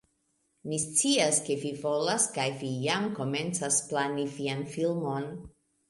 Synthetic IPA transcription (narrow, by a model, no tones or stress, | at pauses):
mist͡siaske̞vivo̞laskajvijamko̞me̞nt͡sasplanivianfilmo̞n